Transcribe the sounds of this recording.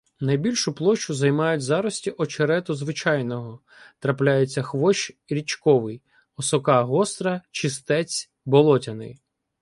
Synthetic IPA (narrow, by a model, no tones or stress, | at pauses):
nɐjbʲilʲʃʊplˠɔt͡ʃʊzɐjmɑjʊtʲzɑɾɔsʲtʲiʔɔt͡ʃeɾɛt̪ɔzʋɪt͡ʃɑjnɔɦɔ | t̪ɾɐplʲajet͡sʲːɐxʋɔʃɾʲit͡ʃkɔʋɪj | ɔsɔkɑɦɔst̪ɾɐt͡ʃɪst̪ɛt͡sʲ | bɔlˠɔtʲɐnɪ̰j